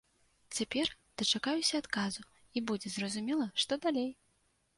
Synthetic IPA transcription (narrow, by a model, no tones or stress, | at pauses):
t͡sʲapʲɛr | d̪̥ɐt͡ʂakajusʲɐːt̪kazu | ibud͡zʲɛzrɐzumʲɛlˠɐʂt̪ɔd̪alʲej